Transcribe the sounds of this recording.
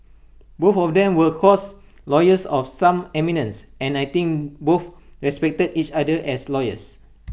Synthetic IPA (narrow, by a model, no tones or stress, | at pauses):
bofɔfdɛ̃mwəlkʰɔs | lɔjəsɔfsãmɛminə̃nsɛ̃najt̪ĩŋkbofɹɛspɛk̚tədit͡ʃadəʔɛslɔjə̰s